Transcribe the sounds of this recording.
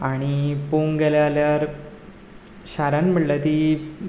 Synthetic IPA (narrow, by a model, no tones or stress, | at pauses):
aɽ̃ipoŋɡeljaljaɾ | ɕaɾãnm̤əʈlat̪i